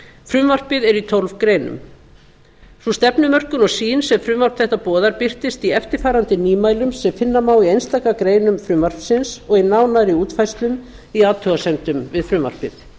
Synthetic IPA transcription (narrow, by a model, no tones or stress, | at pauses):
fɾʏmvar̥pɪðɛɾit̪ʰolvkɾeːjnʏ̰m | sust̪ɛpnʏmœr̥kʏnɔɣsiːnsɛmfɾʏmvar̥pθɛht̪apɔːðaɾpɪr̥t̪ɪst̪iɛft̪ɪɾ̥faːɾant̪ɪniːmaːjlʏmsɛmfɪnːamaːwiejnst̪ajkakɾeːjnʏmfɾʏmvar̥psɪnsɔɣinaːwnaɾiuːt̪fajst̪lʏm | iaːt̪ʰːœɣasɛnt̪ʏmvɪðfɾʏmva̰r̥pɪð